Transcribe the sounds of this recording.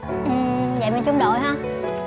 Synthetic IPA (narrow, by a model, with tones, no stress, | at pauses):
ʔɨ˨˩zə̰˧˨jmə˨˩nt͡ɕʊ˨˦ŋ͡mɗo̰˧˨jɦə˧˥